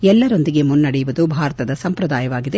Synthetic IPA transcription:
ɛlːɐɾo̞nd̪iɡe̞munːɐɽɛjuʋud̪ubʱaːɾɐt̪ɐd̪ɐsɐmpɾɐd̪aːjɐʋaːɡid̪e̞

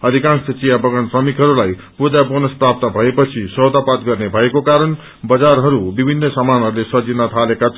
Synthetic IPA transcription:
ʌd̪ʱikãnsʌt͡sijabʌɡʌnsrʌmikɦʌɾulaj | pud̪ʱjabonʌsprap̚t̪ʌbʱʌepʌt͡sʰisʌwd̪ʱapat̪ɡʌrnebʱʌekokaɾʌn | bʌd͡zarɦʌɾubibʱinːʌsamanɦʌɾulesʌd͡zinʌt̪ʰalekat͡sʰ

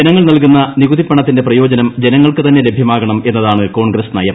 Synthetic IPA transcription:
enɐŋːɐɭnɐlkunːɐniɣud̪ipːɐɳɐt̪ːindeprɐjo̞ːd͡ʑɐnɐmd͡ʑenɐŋːɐɭkɨt̪ɐnːe̞lebʱjɐmaːɣɐɳɐme̞nːɐðaːɳɨko̞ːɳɡrɐsnɐjɐm

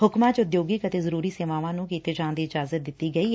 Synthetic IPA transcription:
hʊkmãːt͡ʃʊd̪joːɡiːkət̪eːzəɾuːɾiːseːʋaːʋãːnũːkiːt̪eːd͡ʒãːnd̪iːɪd͡ʒaːzət̪̚d̪ɪt̪ːiːɡəiː

